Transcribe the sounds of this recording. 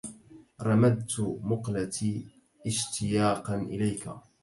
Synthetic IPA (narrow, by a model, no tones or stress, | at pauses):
ɾˤɑmad̪̚t̪mʊqlat̪ʰiː | ʔɪʃt̪ʰɪjaːqɑnʔɪlajka̰